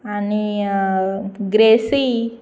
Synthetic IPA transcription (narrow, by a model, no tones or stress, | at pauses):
ani | ɡɾesi